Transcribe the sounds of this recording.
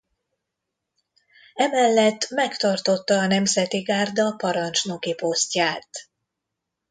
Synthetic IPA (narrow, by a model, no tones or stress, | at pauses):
ɛmɛlːɛt̪ːmɛkt̪ɒrt̪o̞t̪ːɒːnɛmzɛt̪iɡaːrd̪ɒpɒɾɒnt͡ʃno̞kipo̞scaːt̪